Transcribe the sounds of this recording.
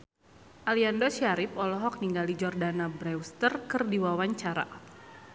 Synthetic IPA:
ʔaliandɔʃiaɾɪpɔlɔɦɔk̚niŋɡalid͡ʒɔrdanabɾɛwst̪ərkɨrdiwawaɲt͡ʃaɾa̰

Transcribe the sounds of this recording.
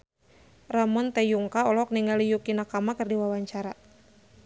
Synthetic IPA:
ramɔnt̪ɛjuŋkaɔlɔɔk̚niŋɡalijukinakamakɨrdiwawaɲt͡ʃaɾa

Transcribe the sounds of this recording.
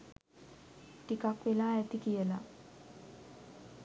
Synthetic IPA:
ʈikakʋelaːæt̪ikijəla̰

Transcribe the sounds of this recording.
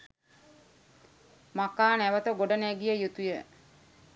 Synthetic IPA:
makːaːnæʋət̪əɡoɖənæɡijəjut̪ujə

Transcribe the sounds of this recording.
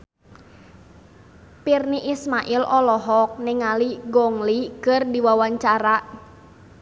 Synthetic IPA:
pirniʔismaʔɪlʔɔlɔɦɔk̚nɪŋaliɡɔŋlikɨrdiwawaɲt͡ʃaɾaʔ

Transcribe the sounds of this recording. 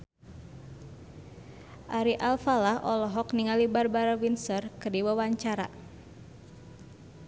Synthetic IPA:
ʔaɾiʔalfalahɔlɔɦɔkniŋalibarbaɾawinsərkərdiwawaɲt͡ʃaɾa̰

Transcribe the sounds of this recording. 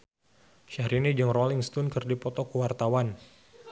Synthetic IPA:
ʃaɾinid͡ʒɨŋrɔliŋst̪unkɨrdipɔt̪ɔkəwart̪awan

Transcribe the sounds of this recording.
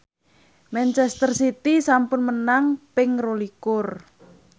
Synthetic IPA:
mɛnt͡ʃɛst̪ərsit̪isampʊnmənaŋpɪŋrolikʊr

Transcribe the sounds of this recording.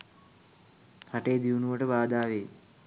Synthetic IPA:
haʈeːd̪iunuʋəʈəʋaːd̪aːʋeː

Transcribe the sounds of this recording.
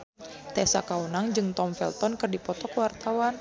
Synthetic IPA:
t̪ɛsa̰kaunaŋd͡ʒɨŋt̪ɔmfɛ̰lt̪ɔnkɨrdipɔt̪ɔkəwart̪awan

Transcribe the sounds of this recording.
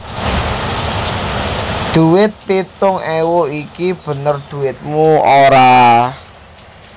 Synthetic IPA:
d̪̥ṳwɪt̪̚pit̪ʊŋɛwoikib̥ə̤nərd̪̥ṳwɪt̪̚muoɾa

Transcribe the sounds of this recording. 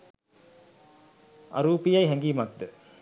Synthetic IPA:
a̰ɾuːpijajɦɛŋɡiːmak̚d̪ə

